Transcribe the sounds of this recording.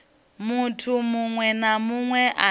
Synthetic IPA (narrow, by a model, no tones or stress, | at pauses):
mutʰumuŋwɛnamuŋwɛʔa